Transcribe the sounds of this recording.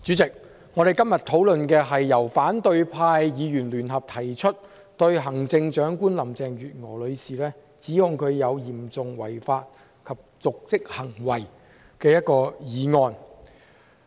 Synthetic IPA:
t͡ʃy˨˥t͡sɪ˨k̚ | ŋɔː˨˧ɾe˨jkɐ˥mjɐ˨˩t̪ʰo˨˥wlɵ˨nkɛː˧ɦɐ˨jːɐ˨˩wfaː˨˥nt̪ɵ˧ɥpʰaː˧jjiː˨˧jyː˨˩nlyː˨˩nɦɐ˨p̚t̪ʰɐ˨˩jt͡ʃʰɵ˥t̚ | t̪ɵ˧ɥɦɐ˨˩ŋt͡sɪ˧ŋt͡ʃœː˨˥ŋkuː˥nlɐ˨˩mt͡sɛː˨ŋjyː˨t̚ŋɔ̰ː˨˩lɵ˨˧ɥsiː˨˩lɛː˥ | t͡siː˨˥hʊ˨ŋkʰɵ˨˧ɥjɐ˨˧wjiː˨˩mt͡sʊ˨ŋwɐ˨˩jfaː˧t̚ | kʰɐ˨p̚t͡sʊ˨k̚t͡sɪ˥k̚hɐ˨˩ŋwɐ˨˩j | kɛː˧jɐ˥t̚kɔː˧jiː˨˧ŋɔː˧n

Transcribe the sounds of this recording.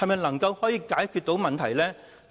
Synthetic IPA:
ɐ˨jmɐ˨jnɐ˨˩ŋkɐ˧whɔː˨˥jiː˨˧kaː˨˥jkʰyː˧t̚t̪o˨˥wmɐ˨nt̪ʰɐ˨˩jlɛː˥

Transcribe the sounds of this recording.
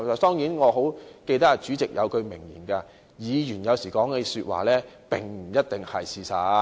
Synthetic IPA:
ɐ˨t̪ɔː˥ŋjiː˨˥nŋɔː˨˧ɦo˨˥wke˧jt̪ɐ˥ka˨˩t͡syː˨˥t͡sɪ˨k̚jɐ̰˨˧wkɵ˧ɥmɪ˨˩ŋjiː˨˩nkaː˧ | jiː˨˧jyː˨˩njɐ˨˧wsiː˨˩kɔː˨˥ŋkɛ˧syː˧t̚wa̰ː˨lɛː˥ | pɪ˨ŋm̩˨˩jɐ˥t̚t̪ɪ˨ŋhɐ˨jsiː˨˧sɐː˨˧

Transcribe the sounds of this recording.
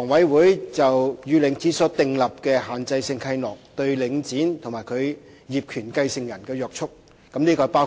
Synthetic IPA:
ɔː˨˩ŋwɐ˨˥jwuː˨˥jt͡sɐ˨wjyː˨˧lɪ˨˧ŋt͡siː˨˥sɔː˨˥t̪ɪ˨˧ŋlɐ˨p̚kɛː˧ɦaː˨nt͡sɐ˧jsɪ˧ŋkʰɐ˧jnɔː˨˩k̚t̪ɵ˧ɥlɪ˨˧ŋt͡siː˨˥nt̪ʰʊ˨˩ŋmaː˨˩jkʰɵ˨˧ɥ | jiː˨p̚kʰyː˨˩nkɐ˧jsɪ˧ŋjɐ˨˩nkɛː˧jœː˨k̚t͡ʃʰʊ˥k̚ | kɐ˨˥mniː˥kɔː˧˨˩paː˥w

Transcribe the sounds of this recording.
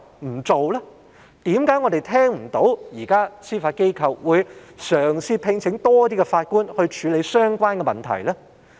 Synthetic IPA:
m̩˨˩t͡so˨wlɛː˥ | t̪iː˨˥mkaː˨˥jŋɔ˨˧d̪e˨jt̪ʰɛː˥ŋm̩˨˩t̪o˨˥wjiː˨˩kaː˥siː˥faː˧t̚ke˥jkʰɐ˨wːuː˨˧jsœː˨˩ŋsiː˧pʰɪ˧ŋt͡sʰɪ˨˥ŋt̪ɔː˥t̪iː˥kɛ˧faː˧t̚kuː˥nhɵ˧ɥt͡ʃʰyː˨˧le˨˧jsœː˥ŋkʷaː˥nkɛ˧mɐ̰˨nt̪ʰɐ̰˨˩jlɛː˥

